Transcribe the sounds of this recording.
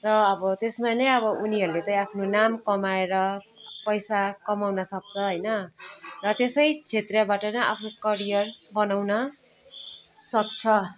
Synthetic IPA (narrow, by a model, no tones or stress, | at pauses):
rʌʌbʌt̪esmanʌjʌβʌʔuniɦʌɾulet̪ʌj̃apʰnonamkʌmaeɾʌ | pʌjsakʌmawnʌsʌk̚t͡sʰʌɦʌjnʌrʌt̪esʌjt͡sʰet̪rʌbaʈʌnʌʔa̰pʰnokʌɾijʌrbʌnawnʌ | sʌk̚t͡sʰʌ